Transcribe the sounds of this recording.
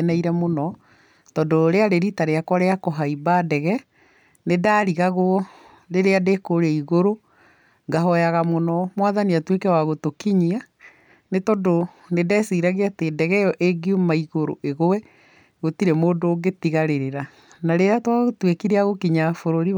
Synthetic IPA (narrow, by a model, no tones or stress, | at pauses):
nɛiɾɛmonɔ | tɔdoɾeaɾeɾitaɾeakwaɾeakɔɦaibaːdɛɣɛ | nedaːɾiɣaɣoɔ | ɾeɾeadekoɾeiɣoɾo | ŋɡaɦɔjaɣamonɔmwaðaniatwekɛwaɣotokiɲia | netɔdo | nedɛːsiːɾaɣeateːdɛɣɛjɔʔeɡiomaiɣoɾo̰ʔeɣowɛ | ɣotiɾɛmoːndoːɡetiɣaɾeɾeɾa | naɾeɾatwaɣotwekiɾeaɣokiɲafoɾoɾi